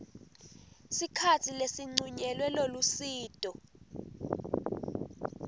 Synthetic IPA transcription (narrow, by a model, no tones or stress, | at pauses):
sikʰatʰilesiŋ͡ǀuɲɛlwɛlolusiːtʼɔ